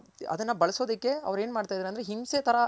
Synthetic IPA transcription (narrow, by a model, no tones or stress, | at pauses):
ɐ̰d̪ɐnːɐbɐɭɐso̞ːd̪ɐkːe̞ɐ̰ʋɐɾe̞ːnmaːɖt̪aːjd̪ɾɐnd̪ɾeɦimset̪ʰɐɾɐ